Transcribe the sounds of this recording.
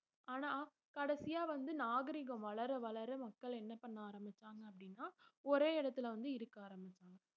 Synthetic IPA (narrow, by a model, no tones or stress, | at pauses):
aːnaː | kɐɽɐsɪjaːʋɐnd̪ɯnaːɣɐɾɪɣɐ̃ʋɐɭɐɾɐʋɐɭɐɾɐmɐkːɐɭɛnːɐpːɐɳːaaːɾɐmbɪt͡ʃːaːŋɡɐɐpːɐɽɪnːaːɔɾeːɪɽɐt̪ːɪlɐʋɐnd̪ɯɪɾɯkːaːɾɐmbɪt͡ʃːaːŋɡɐ